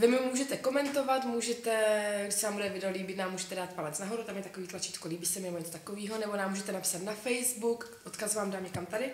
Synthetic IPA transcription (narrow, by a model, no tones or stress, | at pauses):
vɪmɪomuːʒɛt̪ɛko̞mɛnt̪o̞vat̪muːʒɛt̪ɛɡdɪʃsɛnaːmbuddɛvɪdɛoliːbɪt̪naːmːuːʒɛt̪ɛdaːt̪̚palɛt͡snaɦo̞ɾut̪amjɛt̪akoviːt̪lat͡ʃiːt̪koliːbiːsɛmɪnɛboɲɛtt͡sot̪akoviːɦonɛbonaːmuːʒɛt̪ɛnapsat̪nafɛjzbuk | ʔot̪kazvaːmdaːmɲɛkamt̪adɪ